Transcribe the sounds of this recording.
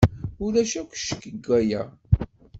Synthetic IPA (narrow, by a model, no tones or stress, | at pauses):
ʊɾæʃækʷʃə̥kːəɡːæjæ